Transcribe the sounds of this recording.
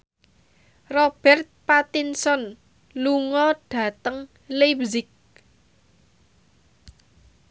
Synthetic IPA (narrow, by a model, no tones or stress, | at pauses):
rɔb̥ɛrt̪̚pat̪insɔn | luŋɔɖ̥ä̤t̪əŋ | lebzɪk̚